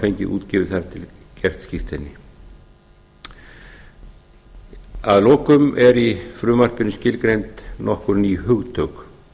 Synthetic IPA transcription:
fejɲcɪʔṵːt̪cɪːvɪθaɾt̪ʰɪlcɛr̥t̪scift̪ɪnːɪ | aðlɔːkʏmɛɾifɾʏːmar̥pɪnːʏscɪlkɾejnt̪nɔhkʏɾniːhʏɣt̪ʰœwx

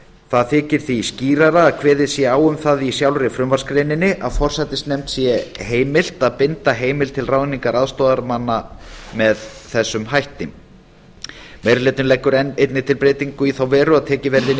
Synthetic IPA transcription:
θaðθɪːcɪɾ̥θisciːɾaɾaːðkʰvɛːðɪsjɛaːwʏmθaðisjawlɾɪfɾʏmvaɾ̥skɾeːjnɪnːɪʔaðfɔr̥sajt̪ɪst̪nɛm̥t̪sjɛheːjmɪl̥t̪aðpɪnt̪aɦeːjmɪlt̪ʰɪlrawðniŋkaɾaðst̪ɔːðaɾmanːamɛðθɛsːʏmɦajht̪ɪm | mejɾʏleːt̪ʏnlɛkːʏɾɛejt̪nɪt̪ʰɪlpɾeːjt̪iŋkʏiθawvɛːɾʏaðt̪ʰɛːcɪvɛɾðɪn

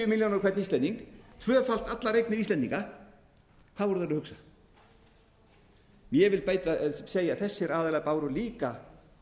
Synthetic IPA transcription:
ʏmiljawnaɾkʰvɛt̪nist̪ɛniŋkt̪ʰvœːfal̥t̪at̪laɾejknɪɾist̪ɛnt̪iŋka | θaðvɔɾʏθanːʏhʏksḁ | mjɛvɪlpeːjt̪aseːjaθɛsːɪɾaːðɛlapaːwɾʏliːka

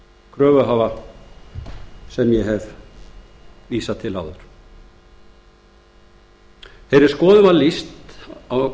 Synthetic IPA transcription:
kʰɾœːvʏɦaːva | sɛmjɛɦɛv | viːsat̪ʰɪla̰wðʏɾ̥ | θejɾɪɾ̥skɔːðʏmalist̪a

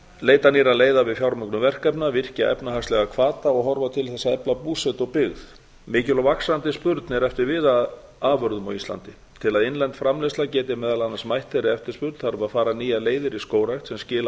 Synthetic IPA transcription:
leːjt̪aniːɾaleːjðavɪðfjawɾmœknʏvɛr̥kɛpnavɪr̥caʔɛ̰pnaɦakslɛɣakʰvaːt̪aɔɣɦɔɾvat̪ʰɪlθɛsːaɛplapuːsɛt̪ɔpɪɣð | mɪːcɪlɔwvaksant̪ɪspʏɾt̪nɛɾɛft̪ɪɾvɪːðað | aːvœɾðʏmawist̪la̰nt̪ɪ | t̪ʰɪlaðɪnlɛnt̪fɾamlɛslacɛːt̪ɪmɛːðalanːasmajht̪fɛɾɪɛft̪ɪɾ̥spʏɾt̪θaɾvaðfaːɾaniːjaleːjðɪɾiskoːwɾajxt̪sɛmscɪːla

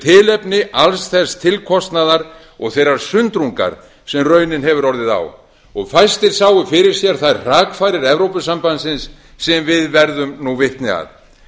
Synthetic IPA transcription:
t̪ʰɪːlɛpnɪʔalsθɛst̪ʰɪlkʰɔst̪naðaɾ | ɔɣθejɾaɾ̥sʏnt̪ɾuŋka̰ɾ̥ | sɛmrœːɥnɪnɦɛvʏɾɔɾðɪða̰w | ɔɣfajst̪ɪɾ̥saːwʏfɪɾɪɾ̥sjɛɾ̥θaðɛɾr̥aːkfaːɾɪɾɛvɾowpʏsampansɪnsː | ɛmvɪðvɛɾðʏmnuvɪht̪nɪa̰ð

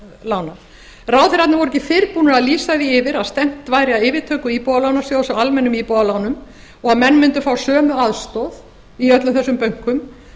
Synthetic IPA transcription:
laːwna | raːwθeɪɾhat̪navɔɾɛcɪθɪɾpuːnaaðliːsaðiɪvɪɾaðst̪ɛm̥t̪vaːjɾɪaðɪːvɪt̪ʰœːkʏipɔːðalaːwnasjawsaalmɛnːʏmipɔðalaːwnʏm | ɔɣaðmɛnːmɪnt̪ʏfaːwsœːmʏaðst̪ɔð | iœt̪lʏmθɛsʏmpœɥŋ̥kʏm

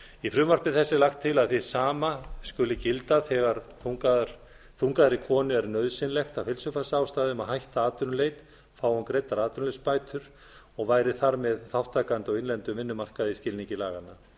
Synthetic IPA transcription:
ifɾʏːmar̥pɪθɛsːɪlaxt̪ʰːɪlaðθisaːmaskʏlɪcɪlt̪aðɛɣaɾθuŋkḁ | θuŋkaðaɾikʰɔːnʏɛɾnœɥðsɪnlɛxt̪awfhɪlsʏfasaːwst̪aːðʏmaðɦajht̪aaːt̪ʏɾlejt̪ | faːwankɾejt̪aɾaːt̪ʏɾnlejspaːjt̪ʰʏɾ̥ | ɔɣvaːjɾɪθaɾmɛðθawht̪ʰːaːkant̪awɪnlɛnt̪ʏmɪnːʏmar̥kaðiscɪlniɲcɪlaːɣanːa

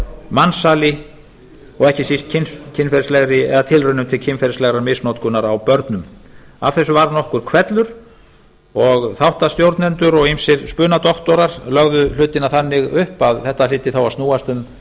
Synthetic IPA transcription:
mansaːlɪ | ɔɣɛhcɪsist̪̚cʰɪncʰɪnfɛɾɪslɛɣɾɪɛ̰ðat̪ʰɪlrʏnʏmt̪ʰɪlcʰɪnfɛɾɪslɛɣɾamɪsnot̪̚kʏnaɾawpœɾt̪nʏmav̥θɛsːʏvaɾnɔhkʏɾ̥kʰvɛt̪lʏɾ̥ | ɔɣθawht̪ast̪jowɾt̪nɛnt̪ʏɾɔɣimsɛɾspʏːnat̪ɔht̪ɔɾaɾlœɣðʏl̥ʏːt̪ɪnaθanːɪɣʏhpaðθɛht̪alɪːt̪ɪθawast̪nuːast̪ʏm

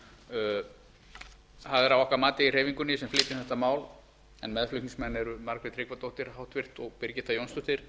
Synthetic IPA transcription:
haðɛɾavɔhkaɾmaːt̪ɪir̥eːjviŋkʏnːɪsɛmflɪːt̪ɪnθɛht̪amaːwl | ɛnmɛðflʏk̪niŋsmɛnːɛɾʏmaɾkɾɪt̪ʰɾɪkvat̪owht̪ɪɾ̥hawht̪vɪr̥t̪ɔɣpɪɾcɪt̪ajownst̪ʏht̪ɪɾ̥

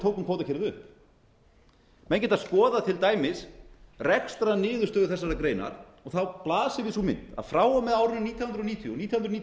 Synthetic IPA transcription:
t̪ʰoːwkʏmkvoːwt̪acʰɛːɾɪðʏhp | mɛncɛt̪aðskɔːðat̪ʰɪlt̪aːjmɪsrɛkst̪ɾanɪːðʏst̪œːðʏθɛsːaɾakɾeːjna̰ɾ̥ | ɔɣθawplaːsɪvɪðsumɪ̰nt̪a̰ðfɾaːwamɛðaːwɾʏnniːt̪ʰjhʏnɾɔniːt̪ʰjɔniːt̪jhnɾniː

